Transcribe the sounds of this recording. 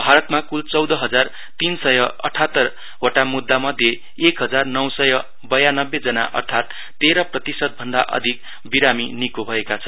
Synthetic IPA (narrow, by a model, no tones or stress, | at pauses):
bʱaɾʌt̪makult͡sʌwd̪ʌɦʌd͡zar | t̪insʌjʌʌ̰ʈʰat̪ːʌr | oʈamud̪ːamʌd̪ʱje | ekɦʌd͡zarnʌwsʌjʌ | bʌjanʌbːed͡zʌna̰ʔʌ̰rt̪ʰat̪ː | eɾʌprʌt̪isʌt̪̚bʱʌnd̪a̰ʔʌ̰d̪ʱik | biɾaminikobʱʌekat͡sʰʌn